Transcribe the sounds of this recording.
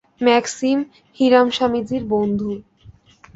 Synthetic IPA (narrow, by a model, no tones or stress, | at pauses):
mɛksim | hiɾamʃamid͡ʑiɾbond̪ʱu